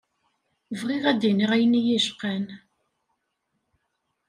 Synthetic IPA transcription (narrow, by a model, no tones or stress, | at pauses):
vʁiʁæd̪iniʁæjənijiʃqæn